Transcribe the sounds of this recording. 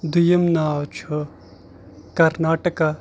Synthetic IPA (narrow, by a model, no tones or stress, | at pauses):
d̪ujɐmnaːwt͡ʃʰo | kɐɾnaːʈəka